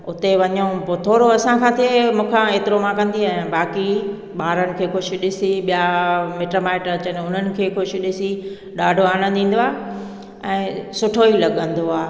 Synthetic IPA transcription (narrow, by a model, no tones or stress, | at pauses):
ʊt̪eʋɐɲõpoːt̪ʰoːɾoɐsãkʰãːt̪ʰiemũːkʰãeːt̪ɪɾomãkɐ̃nd̪iaːɦãɓaːki | ɓaːɾəñɪ̆kʰeːxʊʃ̆ɗɪsiɓijameʈɾomaːɪʈəɾɐt͡ɕənʊn̤ənɪ̆kʰeːxʊʃʊ̆ɗɪsi | ɗaːɖʱoaːɽ̃ə̃nd̪ĩːn̆d̪oaːɦe | ɛ̃ːsʊʈʰoilɐɠə̃nd̪oaː